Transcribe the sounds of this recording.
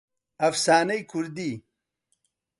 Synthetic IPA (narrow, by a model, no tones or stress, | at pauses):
ɐfsaːnɐjkʰuɾd̪i